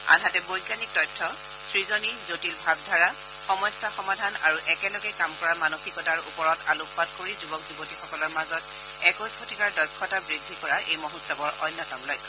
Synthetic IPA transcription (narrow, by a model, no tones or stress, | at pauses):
a̰nɦatɛbojɡanik̚tɔjtʰːɔ | sɹizonizotilbʱab̚dʱaɹa | xɔmɔjsːaxɔmadʱana̰ɹuʔɛkɛlɔɡɛkamkɔɹamanoxikɔtaɹupɔɹɔtalupʰwad̚koɹizubɔkzubotixɔkɔlɔɹmazɔt | ɛkɔsʰotʰikaɹdɔjkʰːɔtabɹidʱːikɔɹaʔejmoɦutsabɔɹʔɔ̰jnːɔtɔmlɔjkʰːɔ